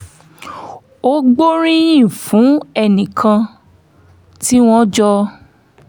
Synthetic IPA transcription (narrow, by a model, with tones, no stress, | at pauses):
o˦ɡ͡bo˦ɾ̃ĩ˦j̃ĩ˦˨fũ˨˦ɛ˦˨nĩ˨kʰã˧ | ti˦w̃ɔ̃˦d͡ʒɔ˧˦